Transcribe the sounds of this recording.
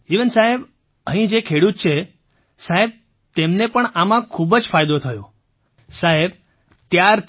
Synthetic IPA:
iʋənsaɦeb | əɦĩd͡ʒekʰeɽut̪̚t͡ʃʰe | saɦeb̚ | t̪emnepəɳamãkʰubd͡ʒfajd̪ot̪ʰəjõ | saɦeb | t̪jaɾ

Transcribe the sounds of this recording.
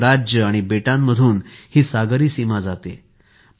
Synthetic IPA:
ɾad͡ʑjəaɽ̃ibeʈãmːəd̪ʱuːnhiːsaɡəɾiːsimad͡zat̪e

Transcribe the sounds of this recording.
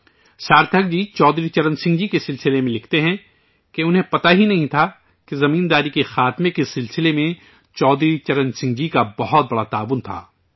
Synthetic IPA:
saːɾt̪ʰək̚d͡ʒiːt͡ʃɔːd̪ɾit͡ʃɐɾə̃nsɪ̃ŋɡd͡ʒikesɪlsɪlemẽlɪkʰt̪eɦɛ̃ | keʊnɦẽpɐt̪aɦinɐɦĩt̪ʰa | kezɐmĩːnd̪aːɾikexaːt̪mẽkesɪlsɪlemẽ | t͡ʃɔːd̪ɾit͡ʃɐɾə̃nsɪ̃ŋɡd͡ʒikabɐɦɔt̪̚bɐɽat̪aːʋʊnt̪ʰa̰ː

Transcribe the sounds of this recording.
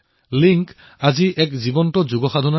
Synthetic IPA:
liŋk | aziʔɛk̚zibɔntɔzuɡɔxad̪ʱɔnɔ

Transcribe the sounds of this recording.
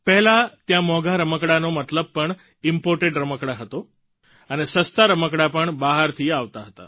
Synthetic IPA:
pɛɦɛlat̪jãmɔɡaɾəməkɽanomət̪ləb̚pəɳ | ɪmpoɾʈeɖɾəməkɽaɦət̪o | ənesəst̪aɾəməkɽapəɳbaɦəɾt̪ʰiaʋt̪aɦət̪a̰

